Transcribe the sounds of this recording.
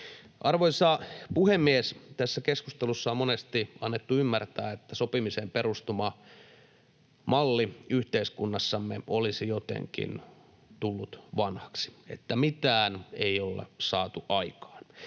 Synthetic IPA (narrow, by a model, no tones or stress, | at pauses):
ʔɑrʋoisɑpuhemːiest̪æsːækeskust̪elusːɑommonest̪iɑnːet̪ːuymːært̪æːet̪ːæsopimisemperust̪umɑ | mɑlːiyht̪eiskunːɑsːɑmːeʔolisijot̪ḛŋkḭn | t̪ulːut̪ʋɑnhɑ̥ksi̥et̪ːæmit̪æːneiolːḛsɑːt̪uʔɑikɑ̥ːn